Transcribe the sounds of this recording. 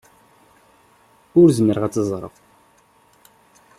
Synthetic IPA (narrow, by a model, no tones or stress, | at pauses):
ʊɾzəməɾʁæt͡sːəzˤɾˤə̰f